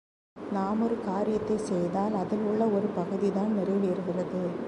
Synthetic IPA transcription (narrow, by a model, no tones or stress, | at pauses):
naːmɔɾɯkaːɾɪjɐt̪ːɐɪsɛjðaːlɐðɪlʊɭːɐɔɾɯpɐɣɯðɪðaːnnɪrɐɪʋeːɾɣɪrɐðɯ